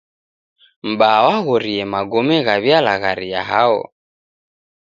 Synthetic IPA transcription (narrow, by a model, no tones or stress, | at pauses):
m̩ɓawaɣɔɾiɛmaɡɔmɛɣaβjalaɣaɾia̰ɦaɔ̰